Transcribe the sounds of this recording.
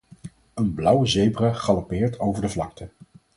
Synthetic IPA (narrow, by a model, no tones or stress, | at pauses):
ənblʌwəzejbraχɑlopɪːɹtʰowvəɹdəvlɑktə